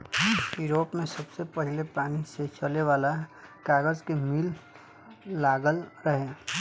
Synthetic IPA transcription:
juːɾoːpmẽsəbsepəɦɪlepaːniset͡ʃəleʋaːlakaːɡəzkemilː | aːɡəlɾəɦẽː

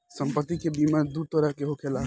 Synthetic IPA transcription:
sə̃mpət̪ːikebimaɾd̪uːɾt̪ɔɾakeɦokʰelaː

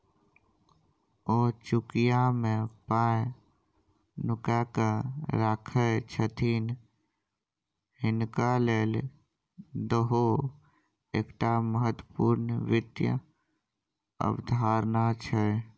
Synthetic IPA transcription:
oːt͡ʃʊkijamẽpaːe | nʊkakəɾakʰət͡ʃʰət̪ʰin | hɪnkaleːl | d̪əɦo | ḛːkʈaməɦət̪wəpuːɾnʋɪt̪jə̰ | ə̰bd̪ʱaːɾnat͡ʃʰɛ

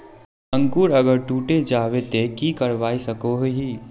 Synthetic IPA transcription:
ə̃ŋkuːɾɐɡəɾʈuːʈed͡ʒaːʋet̪ekikəɾʋaːisɐkoɦɦiː

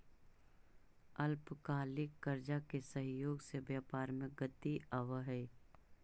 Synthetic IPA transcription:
ɐlpkaːlɪkːɐɾd͡ʒakesəɦjoːɡsebjaːpaːɾmẽɡət̪iaʋəɦɛː

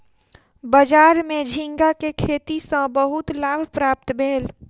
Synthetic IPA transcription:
bəd͡ʒaɾmed͡ʒʱĩŋɡakekʰet̪isə̃bəɦut̪labʱpɾap̚t̪bʱeːl

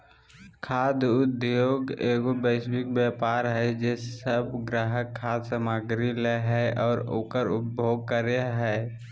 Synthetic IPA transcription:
kʰaːd̪ʊd̪joːɡeːɡobəɪsbɪk̚bjaːpaːɾɦɛd͡ʒeːssəbɡɾaːɦəkʰːaːd̪səmaɡɾileɦɛɔːɾokəɾʊp̚bʱjoːɡ̚kəɾeɦɛː

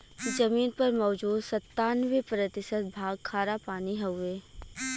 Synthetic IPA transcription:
kid͡ʒɐmiːnpɐɾmɔːd͡ʒuːd̪sɐt̪ːaːnʋepɾət̪ɪsət̪̚bʱaːɡ̚kʰaːɾapaːniɦɛʊeː

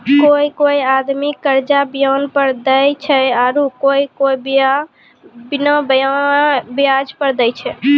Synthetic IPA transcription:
koikoiad̪mikəɾd͡ʒabijənpəɾd̪əjt͡ʃʰɛaɾukoikob | binəb | bijad͡ʒpəɾd̪əjt͡ʃʰɛ

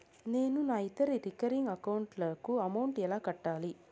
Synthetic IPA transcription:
neːnunaːit̪ːɐɾiɾikɐɾiŋɡɐkɐwuɳʈlɐkuɐmɐwɳʈɛlaːkɐʈːaːli

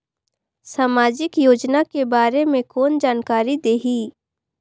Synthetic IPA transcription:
saːmaːd͡ʒɪkjoːd͡ʒnakebaːɾemẽkoːnd͡ʒaːnkaːɾid̪eːɦiː

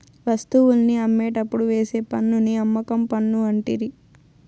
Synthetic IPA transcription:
ʋɐst̪uwulniɐmːeːʈɐpːuɽuʋe̞ːseːpɐnːuniɐmːɐkɐmpɐnːuɐɳʈiɾi

